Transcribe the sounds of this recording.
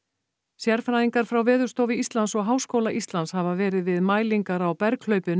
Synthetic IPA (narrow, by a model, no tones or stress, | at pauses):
sjɛɾfɾaðiŋkaɾ̥fɾawvɛːðʏ̥st̪owvɪist̪lansɔɣɦaːwskoːwlaʔist̪lanshavavɛːɾɪðvɪðmaːjliŋkaɾawpɛɾkʰl̥œɥpʏn